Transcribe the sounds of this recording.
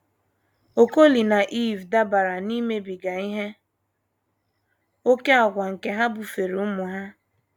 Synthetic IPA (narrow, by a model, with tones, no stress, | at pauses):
o˨ko˦li˨na˨ʔi˦˨vda˦ba˨ɾa˨ni˦me˦bi˨ɡa˨i˦ɦe˦ | o˦ke˦a˨ɡʷa˨ŋ̩˨ke˦ɦa˦bu˨fe˨ɾu˨ʊ˦mʊ˨ɦa˦